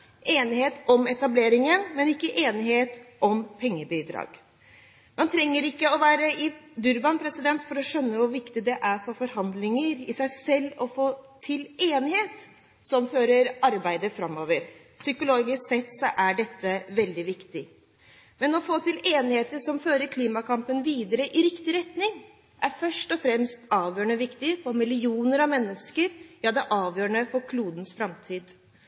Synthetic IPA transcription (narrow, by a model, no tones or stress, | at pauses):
eːnɪheːt̪ɔmɛt̪ɑbleːɾɪŋənmɛnɪkːəʔeːnɪɦeːt̪ʔɔmpʰɛŋːəbid̪ɾɑ̰ːɡ̥ | mɑnt̪ʰɾɛŋːəɾɪkːəɔʋæːɾəɪd̪ʉɾbɑnpʰɾɛsɪd̪ɛnt̪fɔɾɔʂœnːəʋʊɾʋɪkt̪ɪd̪ɛʔæɾfɔɾfɔɾhɑnd̪lɪŋəɾɪsæɪsɛlːɔfoːt̪ʰɪleːnɪheːt̪ | sɔmføːɾəɾɑɾbæɪd̪əfɾɑmːoːʋəɾ | sʏkʊloːɡɪssɛt̪sɔʔæɖɛt̪ʰːəʋɛld̪ɪʋɪkt̪ɪ | mɛnɔfoːt̪ʰɪleːnɪheːt̪əʂɔmføːɾəɾkʰliːmɑkʰɑmpənʋiːd̪əɾəʔɪɾɪkt̪ɪɾɛt̪nɪŋ | ʔæɾfœʂʈɔfɾɛmst̪ɑːʋjøːəɳəʋɪkt̪ɪfɔɾmɪlɪuːnəɾɑʋmɛnːəskəɾjɑːd̪ɛʔɑːʋjøːɾəɳəfɔɾkʰluːd̪ən̩sfɾɑmt̪ʰiːd̪